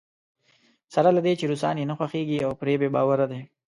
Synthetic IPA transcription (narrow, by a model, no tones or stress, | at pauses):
saɾalad̪et͡ʃeɾusɑ̰ːnjenaxwaxeɡiawpɾebebɑ̰ːwaɾad̪e